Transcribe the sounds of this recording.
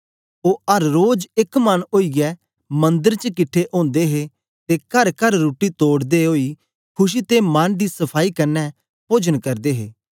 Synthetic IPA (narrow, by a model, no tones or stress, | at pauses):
oːəɾːoːd͡ʒɪkmɐnoːiːɡɛː | mɐ̃nd̪əɾt͡ʃəkɪʈʰːeʔõːnd̪eːɦeː | t̪ekəɾkəɾɾuːʈit̪oːɽd̪eɦoːi | kʰʊʃ̬iːt̪emand̪iːsəpʰaːikɐɾnɛ | poːd͡ʒənkɐɾd̪eːɦeː